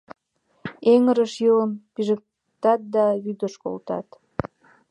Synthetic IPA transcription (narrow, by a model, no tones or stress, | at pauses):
eŋəɾəʃjoləmpiʒək̚ | t̪ɑt̪̚d̪ɑβyd̪əʃko̰lt̪ɑ̰t̪